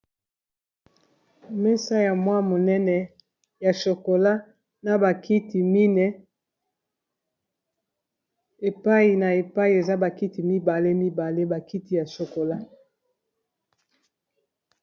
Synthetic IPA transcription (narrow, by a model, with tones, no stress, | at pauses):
mɛ˦sa˦ja˨mwa˦mo˨nɛ˦nɛ˨ | ja˨ʃo˨ko˨la˦ | na˨ba˨ki˦ti˨mi˦nɛ˦ | e˨pa˦i˨na˨e˨pa˦i˨e˨za˦ba˨ki˦ti˨mi˦ba˨le˦mi˦ba˨le˦ba˨ki˦ti˦ja˨ʃo˨ko˨la˦